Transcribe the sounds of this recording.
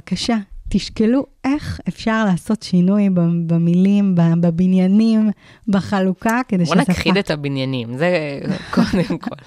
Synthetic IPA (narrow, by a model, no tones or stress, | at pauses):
akaʃat̪iʃkelue̞χefʃaʁlaːso̞tʃinujbbemilimbabebinjanim | beχalukaked̪eʃonatkχid̪et̪abinjanimzekod̪emkʰol